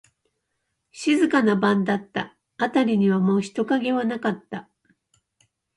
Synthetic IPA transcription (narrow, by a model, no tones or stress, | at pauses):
ɕizɨkanabãnd̪at̪ːa | at̪aɾʲiɲ̟iβamo̞ːçi̥t̪o̞kaɡe̞βanakat̪ːa